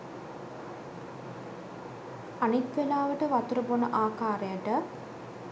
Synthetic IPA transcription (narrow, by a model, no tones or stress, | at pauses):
anit̪ʋelaːʋəʈəʋɐt̪urəbonəʔaːkaːɾejaʈə